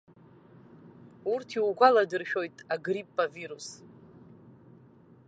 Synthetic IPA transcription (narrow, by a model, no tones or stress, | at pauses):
urtʰiwɡʷaladɨrʃᶣo̞jtʼaɡripʼːaviɾus